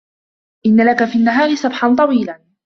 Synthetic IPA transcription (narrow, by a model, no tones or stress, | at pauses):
ʔɪnːalakafiːnːaɦaːɾɪsˤɑbħant̪ˤɑwiːlaː